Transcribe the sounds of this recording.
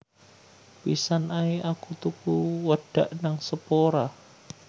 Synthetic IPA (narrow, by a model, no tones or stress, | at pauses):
pisanʔaiakut̪ukuwaɖ̥aʔnaŋsəpoɾa